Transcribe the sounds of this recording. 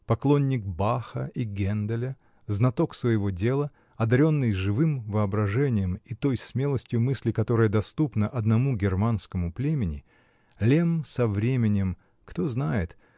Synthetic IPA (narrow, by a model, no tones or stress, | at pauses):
pɐklˠonʲːɪk̚baxə̰iɡʲend̪əlʲə | znɐt̪o̞ksvəjɪvo̞dʲe̞lˠə | ɐd̪ɐɾʲo̞nːɨjʐɨvɨmvɨɐbɾɐʐɛnʲɪjəmit̪o̞jsmʲelˠəsʲtʲjʊmɨsʲlʲɪkɐt̪o̞ɾɨjəd̪ɐst̪upnəʔɐd̪nɐmuɡʲɪrmanskəmʊplʲemʲɪnʲɪ | lʲemsɐvɾʲemʲɪnʲɪm | kt̪o̞znajɪt̪